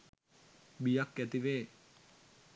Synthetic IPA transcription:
bijakːɛt̪iʋe

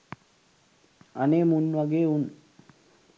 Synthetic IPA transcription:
aneːmunːʋaɡeːun

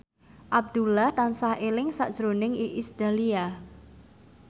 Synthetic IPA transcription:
ʔab̚d̪̥ulaht̪ansahʔelɪŋsa̰ʔd̥ʒ̥ɾonɪŋiʔisd̪̥alia

